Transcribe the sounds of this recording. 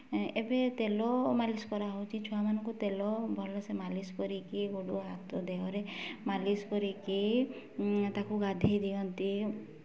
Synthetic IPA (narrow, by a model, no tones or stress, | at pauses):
ebet̪elɔmalisɔ̥kɔɾaɦowt͡ʃʰit͡ʃʰɔamanɔŋkut̪elɔbʱɔlɔsemaliskɔɾikiɡoɽuɦat̪ɔd̪eɦɔɾemaliskɔɾiki | t̪akuɡad̪ʱejd̪iɔnt̪i